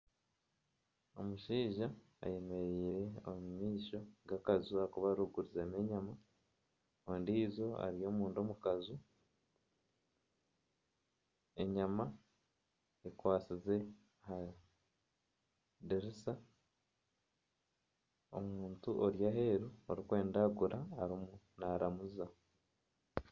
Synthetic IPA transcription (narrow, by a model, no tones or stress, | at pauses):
o̞muʃiːʒa̰ː | je̞me̞ɾiːɾeomumiːʃo̞ɡakazuakuβaɾuɡuɾizene̞ɲama | ondiːzo̞a̰ɾijo̞muːndo̞mukazu | e̞ɲama | ekwaːsize̞ | ha | deɾisa | o̰muːntuʔoɾjaheɾuoɾikwe̞ːndaɡuɾaːɾimunaɾamuza